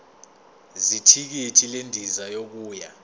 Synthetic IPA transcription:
zitʰik̬itʰilendʱizajok̬uːja

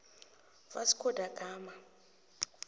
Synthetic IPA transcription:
vasi̥kʰɔd̥ʱaɡ̥ʱaːma

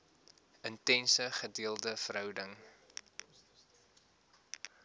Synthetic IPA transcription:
əntɛnsəχədiəlˠdəfəɾɦœwdəŋ

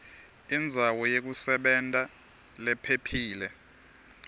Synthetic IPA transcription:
ind͡zʱawɔjek̬usɛɓɛntʼa | lɛpʰepʰiːlɛ

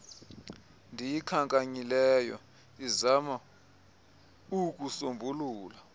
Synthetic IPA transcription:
ndʱijikʰaŋkʼaɲilɛjɔ̰ | izama | uk̬ʼusombʱuluːla

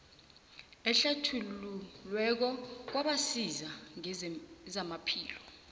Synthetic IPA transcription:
ɛɬatʰululwɛk̬ɔk̬waɓasizaŋzamapʰḭːlɔ

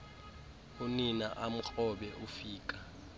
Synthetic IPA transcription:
uninaʔam̩k͡xʰʼɔɓɛʔufiːk̬ʼa

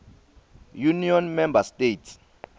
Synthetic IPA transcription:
juniɔnmɛmbastʼetʰ

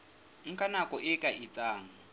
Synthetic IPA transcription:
ŋ̩kʼanakʼɔʔɪkʼaʔɪt͡sʼaːŋ̩

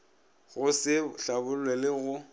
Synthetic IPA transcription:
ɣʊsɪɬabʊlwɛlɪɣʊ

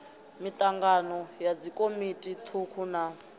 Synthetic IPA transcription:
mit̪ʼaŋɡanɔjad͡zikʼomitʼit̪ʰukʰuna

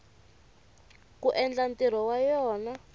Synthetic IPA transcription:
kuʔɛnd͡ɮantiɾ̤ɔwajɔːna

